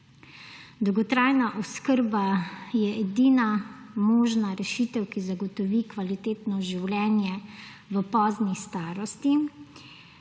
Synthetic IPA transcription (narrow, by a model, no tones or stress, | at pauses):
d̪ɔwɡɔt̪ɾajnaʔɔskəɾbajɛɛd̪iːnamɔːʒnaɾɛʃiːt̪ɛwkizaɡɔt̪ɔʋikʋalit̪eːt̪nɔʒiwlʲɛːnjɛ | ʋəpɔːznist̪aːɾɔst̪i